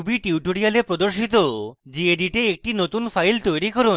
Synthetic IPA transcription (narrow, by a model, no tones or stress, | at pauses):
ubiʈiuʈoɽialepɾod̪oɾʃit̪̬od͡ʑied̪iʈeːk̚ʈinot̪unfʰajlt̪ojɾikɔɾu